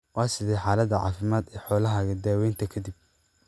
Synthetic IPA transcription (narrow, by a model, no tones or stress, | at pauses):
wɑːsɪðɛħaːlɐd̪ɐʕɑ̰ːfɪmaːd̪ɛːħɔːlɐɦɐɣɐd̪aːwɛjnt̪ʰɐkʰɐd̪ib̚